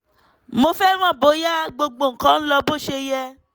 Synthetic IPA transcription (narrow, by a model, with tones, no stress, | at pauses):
mo˧fɛ˦w̃ɔ̃˦˨bo˨˦ja˦ɡ͡bo˧ɡ͡bo˨ŋ̩˨kã˨˦n̩˦lɔ˧bo˦ʃe˧jɛ˧